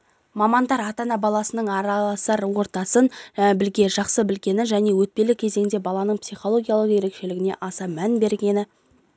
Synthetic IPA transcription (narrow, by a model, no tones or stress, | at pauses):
mɑmɑnd̪ɑɾɑt̪ɑnɑbɑlˠɑsənəɴɑɾɑlˠɑsəɾwo̞ɾt̪ɑsənbɪlɡʲe̞ʒɑqsəbɪlɡʲe̞nɪʒæne̞wɵt̪̚pe̞lɪkʲʰe̞ze̞ŋɪnd̪e̞bɑlˠɑnəɴpsijχo̞lˠo̞ɡʲijalˠəqje̞ɾe̞kʃe̞lɪɡʲɪne̞̰ʔɑsɑmænbe̞ɾɡʲe̞nɪ